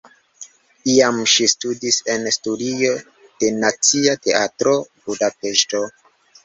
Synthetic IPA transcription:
iamʃistudise̞nstudio̞ | d̥e̞nat͡siate̞ʔatɾo̞budape̞ʃto̞

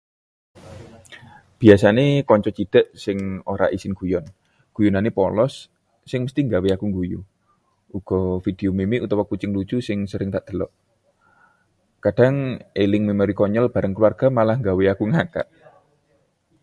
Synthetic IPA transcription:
b̥iasanekɔɲt͡ʃɔt͡ʃid̪̥ə̤ʔsɪŋoɾa̰ʔisɪnɡ̥ujɔn | ɡ̥ujunanepɔlɔsː | ɪŋməst̪iŋɡaweakuŋɡujṵ | ʔuɡ̥ɔ̤fid̪̥e̤omemiut̪ɔwɔkut͡ʃɪŋlut͡ʃusɪŋsəɾɪŋt̪aʔd̪̥ə̤lɔʔ | kaɖ̥a̤ŋelɪŋmemoɾikɔɲəlb̥a̤ɾəŋkluwarɡ̥a̤malahŋɡaweakuŋaka̰ʔ

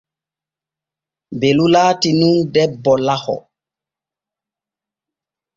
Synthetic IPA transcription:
belulaːtinundɛbːɔlahɔ̰

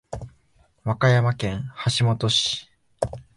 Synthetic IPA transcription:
βakajamakẽ̞haɕimo̞t̪o̞ɕi̥

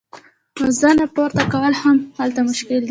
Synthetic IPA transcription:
azanapoɾt̪akawəlhamhalt̪amʊʃkɪld̪i

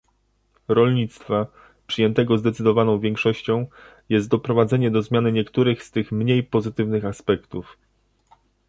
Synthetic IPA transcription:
ɾɔlɲit̪st̪fa | pʂɘjɛnt̪ɛɡɔzd̪ɛt̪sɘd̪ɔvanɔ̃w̃vʲjeŋkʂɔɕt͡ɕɔ̃w̃ | jɛst̪̚d̪ɔpɾɔvad̪zɛɲɛd̪ɔzmʲjanɘɲɛkt̪uɾɘxst̪ɘxmɲejpɔzɘt̪ɘvnɘxaspɛkt̪uf

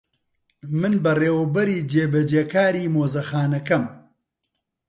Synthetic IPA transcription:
mɨnbɐreːwɐbɐɾiːd͡ʒeːbɐd͡ʒeːkaːɾiːmoːzɐxaːnɐkɐm

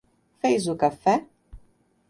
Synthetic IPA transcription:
fejzukɐfɛ

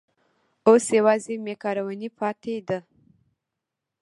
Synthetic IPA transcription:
osjawɑzemekɑɾawanipʰɑt̪ʰed̪ə

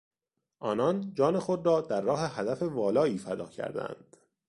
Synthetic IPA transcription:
ʔɒːnɒnd͡ʒɒːne̞xo̞d̪rɒːd̪æɾːɒːɦe̞hæd̪æfe̞vɒːlɒːiːfæd̪ɒ̰ːcʰæ̰ɾd̪æ̰nd̪̥

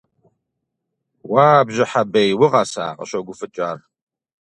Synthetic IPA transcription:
waːbʒɪħabejwʊʁɑsa̰ːqʼə̰ɕʷʼɐɡʷʊfɨt͡ʃʼaːr

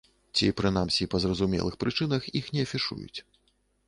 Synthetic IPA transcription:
t͡sʲḭpɾɨnamsʲipɐzrɐzumʲɛ̰lˠɨxpɾɨt͡ʂɨn̪ɐxixnʲɛɐfʲiʂṵjṵt͡sʲ

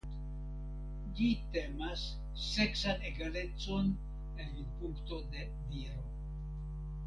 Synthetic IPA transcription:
d͡ʒit̪e̞masː | e̞ksaneɡale̞t͡so̞n | eninpuŋkt̪o̞d̪e̞ | viɾo̞

